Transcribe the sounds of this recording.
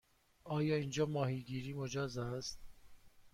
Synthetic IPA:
ɒːjɒːind͡ʒɒːmɒːɦhiːɡiːɾiːmod͡ʒɒːzæst̪

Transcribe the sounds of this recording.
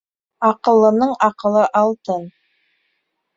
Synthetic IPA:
ɑqəlˠənəɴɑqəlˠəʔɑlˠt̪ən

